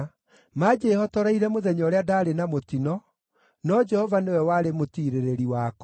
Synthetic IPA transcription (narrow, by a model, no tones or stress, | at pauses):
mad͡ʒehɔtɔɾaiɾɛmoðɛɲɔɾeadaːɾenamotinɔ | nɔd͡ʒɛhɔvanewɛwaɾemotiːɾeɾeɾiwaːkɔ